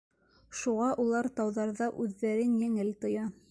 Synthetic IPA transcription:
ʃuʁɑʔulˠɑɾt̪ɑwðɑɾðɑʔʉðːæɾɘnjæŋɘlt̪ɤ̆jɑ

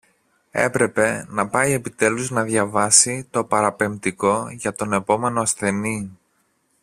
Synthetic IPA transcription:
e̞̰pɾe̞pe̞nɐpɐjie̞pit̪e̞luznɐðʝɐvɐsit̪o̞pɐɾɐpe̞mt̪iko̞ʝɐt̪o̞ne̞po̞me̞noɐsθe̞ni

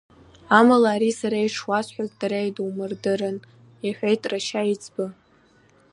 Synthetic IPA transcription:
amalaːɾisaɾajʈ͡ʂʰwasħʷᶣazdaɾajdwmɨrdɨrɨn | iħʷᶣejtʼraʃait͡sʰʼbɨ

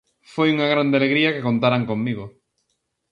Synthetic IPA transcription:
fojuŋaɣ̞ɾand̪ealeɣɾiakekont̪aɾaŋkoŋmiɣo

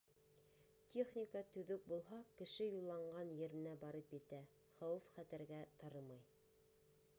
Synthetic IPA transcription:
t̪ʲʰeχnʲɪkat̪ɵ̆ðɵk̚bulˠɦɑkɘ̆ʃɘjulˠːɑɴɢɑnjɘ̆ɾɘ̆næbɑɾɤpjɘ̆t̪æ | χɑwɤfχæt̪ɘ̆ɾɡæt̪ɑɾɤmɑj

